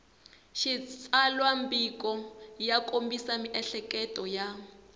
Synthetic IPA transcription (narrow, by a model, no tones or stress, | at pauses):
ʃit͡sʼalwambikɔjakʼombisamiʔɛɬɛkʼɛtʼɔja